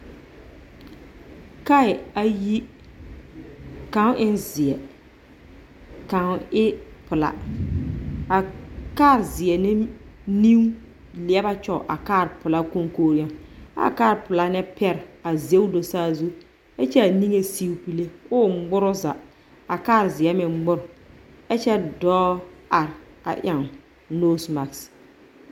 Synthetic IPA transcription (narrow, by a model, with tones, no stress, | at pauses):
ka˦ɪ˨a˨ji˦ | ka˨˦ŋ˦ʔɪ˦nzɪ˨ɛ˨ | ka˨ŋ˦ɪ˦pʊ˨la̰˦ | a˨kaː˦˨ɾzɪ˨ɛ˨nɪ˦ni˦w | lɪ˨ɛ˦ba˦t͡ʃɔ˦˨ʔa˨kaː˦˨ɾpʊ˨la˦ko˦ŋkoː˦ɾi˦a˨a̰˦kaː˦˨ɾpʊ˨la˦nɛ˦pʰɛ˦ɾa˨ze˦wdo˨saː˦zu˦ | ɛ˦t͡ʃɛ˦a˨ni˦ŋe˦si˦wpi˨le˦ʊː˦ɡ͡bʊ˦ɾʊ˦za˨ | a˨kaː˦˨ɾzɪ˨ɛ˦mɪ˨ŋ͡mɡ͡bʊ˦ɾʊ˨ | ɛ˦t͡ʃɛ˦dɔː˦a˨ɾ | a̰˨ʔa˨ŋ | noː˦sma˨ks